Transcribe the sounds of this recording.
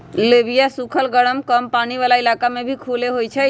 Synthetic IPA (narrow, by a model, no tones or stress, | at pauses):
lebʱijasukʰəlɡəɽəmkəmpaniʋalailakamebʱikʰuleɦojt͡ʃʰɛ